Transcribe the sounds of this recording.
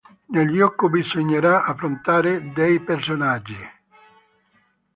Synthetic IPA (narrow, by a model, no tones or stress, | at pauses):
neljɔkːʊbizoɲːeɾaafːɾont̪aːɾed̪ɛjpersonad͡ʒːi